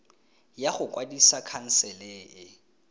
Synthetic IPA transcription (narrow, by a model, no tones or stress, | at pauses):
jaχʊkʼwadisakʰan̩sɛleːʔɪ